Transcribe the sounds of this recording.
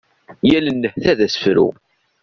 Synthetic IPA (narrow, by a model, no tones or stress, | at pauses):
jælənːəhθæðæsə̥fɾṵ